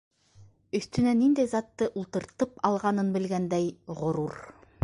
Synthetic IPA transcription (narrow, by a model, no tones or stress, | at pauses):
ɵ̆θt̪ɵ̆nænind̪æjzɑt̪ːɤʔulˠt̪ɤ̆ɾt̪ɤpɑlˠʁɑnɤnbɘ̆lɡænd̪æjʁŏɾuɾ